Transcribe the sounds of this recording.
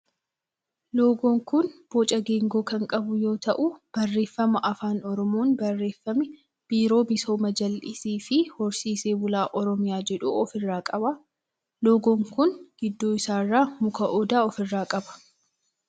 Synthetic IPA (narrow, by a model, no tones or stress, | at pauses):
loːɡoːŋkʊnb̥oːt͡ʃʼɐɡe̞ːŋɡo̞ːkɐŋkʼɐbʊjo̞ːt̪ɐʔʊb̥ɐrːe̞ːfːɐmɐʔɐfaːnɔɾɔmoːnbɐrːe̞ːfːɐmɪ | b̥iːɾo̞ːbɪsoːmɐd͡ʒɐlʔɪsiːfɪhɔɾsiːse̞ːbʊlaːʔɔɾɔmɪjaːd͡ʒɛᶑuɔfɪrːaːkʼɐba | loːɡoːŋkʊnɡ̥ɪd̪ːoːɪsaːrːaːmʊkɐʔɔd̪aːɔfɪrːaːkʼɐbɐ̥